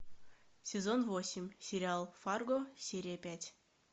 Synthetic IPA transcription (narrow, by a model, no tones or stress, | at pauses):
sʲezonvosʲimʲsʲeɾʲɪalˠfɑrɡosʲeɾʲijəpʲætʲ